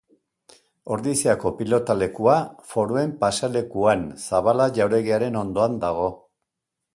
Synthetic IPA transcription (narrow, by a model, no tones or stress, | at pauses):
o̞ɾðiseako̞pilo̞t̪ale̞kuafo̞ɾoe̞mpasale̞kuansaβalaʝawɾe̞ɣiaɾe̞no̞nd̪o̞and̪aɣ̞o̞